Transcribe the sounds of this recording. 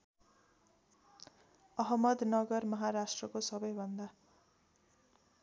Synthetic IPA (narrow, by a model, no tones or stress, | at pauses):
ʌɦʌmʌd̪nʌɡʌrmʌɦaɾasʈrʌkosʌbʌjbʱʌnd̪a